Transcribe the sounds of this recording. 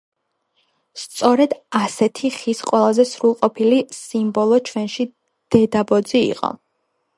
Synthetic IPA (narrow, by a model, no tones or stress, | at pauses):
st̪sʼɔɾɛd̪asɛt̪ʰiχisqʼwɛlˠazɛsɾulˠqʼɔpʰilisimbɔlˠɔt͡ʃʰwɛnʃi | d̪̥ɛd̪abɔd̪ziḭqʼɔ̰